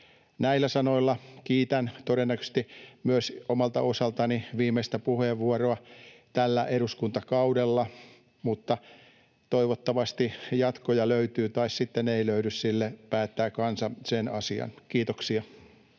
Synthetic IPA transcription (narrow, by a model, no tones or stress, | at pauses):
næilːæsɑnoilːɑkiːt̪ænt̪oɾenːækø̥st̪imyøsomɑlt̪ɑ̰osɑlt̪ɑniʋiːmeist̪æpuheʋːuoroɑt̪ælːæʔeɾuskunt̪ɑkɑudelːɑ | mut̪ːɑ | t̪oiʋot̪ːɑʋɑst̪ijɑt̪kojɑløyt̪yːt̪ɑissit̪ːeneiløydyssilːepæːt̪ːæːkɑnsɑsenɑsiɑ̰nkiːt̪oksiɑ